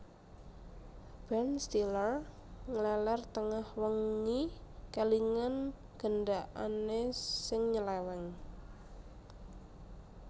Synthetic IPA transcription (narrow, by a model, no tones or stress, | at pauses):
b̥ɛnst̪ilər | ŋəlɛlɛrt̪əŋahwəŋːikaliŋan | ɡ̥əndaʔanesɪŋɲəlɛwɛŋ